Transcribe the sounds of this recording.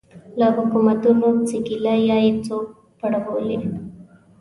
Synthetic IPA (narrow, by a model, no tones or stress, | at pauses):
laːbɐkːumɐd̪ulot͡siɡilajaːjit͡soː | pɐɽɐʋoːli